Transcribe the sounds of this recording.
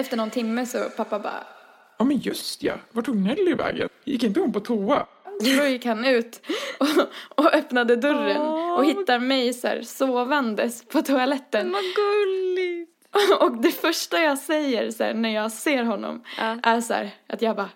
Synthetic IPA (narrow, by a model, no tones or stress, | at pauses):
ɛft̪əɳɔnt̪ʰɪmːəsɔ̰pʰapːabɑ̰ː | jɑːmɛnjɵst̪ja̰vaʈʰːuːɡnɛlːɪvɛ̰ːɡə̰njɪ̰kːɪnt̪əhɔnmpɔt̪ʰuːa | sojɪkhanːʉ̟ːt̪ɔɔœpnad̪əd̪ɵɾːəɔɦɪːaɾmɛjsæ̰ːɾsoːvand̪əspʰɔt̪ʰʊalɛt̪ːənɡɵlɪ | ɔkd̪ɛfœʂʈajɑːsɛjːəɾsæ̰ːɳæɾjɑːɡseːɾɦɔnːɔ̰mʔæɾsæ̰ːɾʔat̪jɑːbɑː